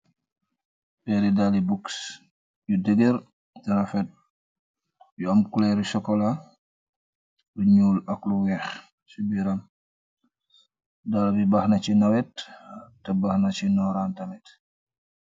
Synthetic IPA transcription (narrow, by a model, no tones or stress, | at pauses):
bɛɾidalibuks | judəɡeɾ | tɛɾafɛt̚ | juamkulɛɾusɔkɔla | luɲuːlakluwɛx | subiɾam | dalbibaxnat͡ʃinawɛtː | abaxnat͡ʃinɔɾantamɛt